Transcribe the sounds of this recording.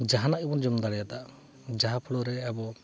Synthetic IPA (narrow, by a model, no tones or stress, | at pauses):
d͡ʒaɦanaʔibɔnd͡ʒɔmd̪aɽɛjat̪a | d͡ʒaɦapʰuɽɔɾɛɛbɔ